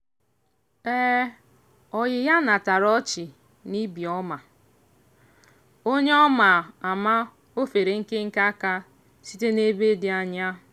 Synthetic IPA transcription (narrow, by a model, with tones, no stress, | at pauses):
ɛ˦ | ɔ˨ɣɪ˨ja˦na˨ta˨ɾɔ˦t͡ʃɪ˨ | ni˦bi˨ɔ˦ma˨ | o˦ɲe˦ɔ˦ma˨a˨ma˦ | o˦fe˨ɾe˨ŋ̩˦kɪ˦ŋ̩˦ka˦ka˦ | si˦te˦ne˦be˦dɪ˨a˨ɲa˦